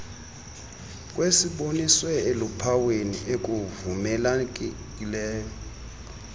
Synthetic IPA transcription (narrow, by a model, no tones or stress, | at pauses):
kʼwesiɓoniswɛelupʰawenḭʔek̬ʼuvumɛlak̬ʼkʼilɛːjɔ